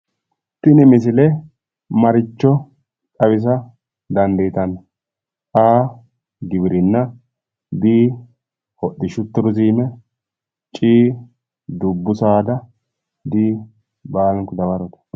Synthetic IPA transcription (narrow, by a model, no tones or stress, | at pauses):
t̪ːɪnɪmɪs̬ɪlɛ | mɐɾɪt͡ʃːɔ | tʼɐβɪs̬ɐ | d̪ɐnd̪ɐt̪ɐnɐ | tʼaː | ɡɪbɪɾɪnːɐ | b̪iː | hɔɗːɪʃʊt̪ːɪɾʊziːmɛ | t͡ʃʼiː | d̪ʊbːʊsaːd̪ɐ | d̪iː | baːlɛŋkɔd̪ɐbɐɾɔt̪ɐ̥